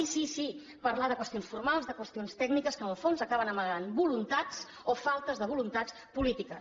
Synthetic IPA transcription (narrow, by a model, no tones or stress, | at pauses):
isisi | pəɾlaðəkwəst̪ionsfuɾmalˠzðəkwəst̪ionst̪ɛɡnikəskənəlˠfonzəkaβənəməɣanbulunt̪at͡s | ofalˠt̪əzðəβulunt̪at͡s | pulit̪ikə